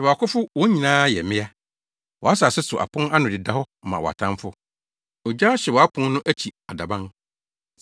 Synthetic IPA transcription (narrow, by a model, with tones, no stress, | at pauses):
ɛ˨wɔ˨a˨kʰʊ˦fʊ˦wɔ˨˦ɲĩ˨nãː˦jɛ˨mɪ̃˦a˦ | wɔ̰˨a˦sa˨sɛ˦sʊ˨ʔa̰˨pʰʊ̃˦na˦nʊ̃˨dɪ˨da˦hɔ˦ | mã̰˨wɔ̰˨a̰˨tʰã˦fʊ˦ | ɔ˨d͡ʑa˦ɕɛ˨wɔ˨a˦kʰʊ̃˦n˦nʊ̃˦ʔæ˦t͡ɕʰi˨a̰˨da˨bã˦n